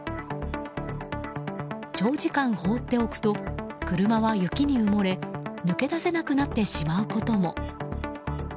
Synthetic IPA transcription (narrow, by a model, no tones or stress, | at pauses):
t͡ɕo̞ːd͡ʑikãɰ̃ho̞ːt̪ːe̞o̞kɯ̟̥t̪o̞kɯ̟ɾɯ̟maβajɯ̟kʲiɲ̟iɯmo̞ɾe̞nɯ̟ke̞d̪ase̞nakɯ̟nat̪ːe̞ɕimaɯ̟ko̞t̪o̞mo̞